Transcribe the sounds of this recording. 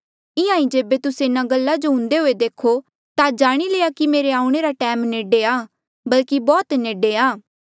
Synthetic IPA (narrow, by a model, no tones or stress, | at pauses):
ɪãːĩd͡ʒeːbet̪ʊseɪnãɡəlːad͡ʒoɦʊ̃nd̪eɦoːed̪eːkʰo | t̪ad͡ʒaːɽ̃ileːakimeːɾeaːʊ̃ɽ̃eɾaʈɛːmneːɖeaː | bɐlkibɔːt̪neːɖeaː